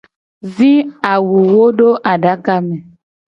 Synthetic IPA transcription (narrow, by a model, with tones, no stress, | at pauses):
zi˦a˨wu˨wo˦ɖo˦ʔa˨ɖa˨˦ka˦mɛ˨